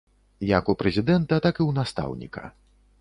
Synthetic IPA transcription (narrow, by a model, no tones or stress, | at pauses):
jakupɾɛzʲid̪ɛnt̪ɐt̪akiwnast̪a̰wnʲḭkɐ̰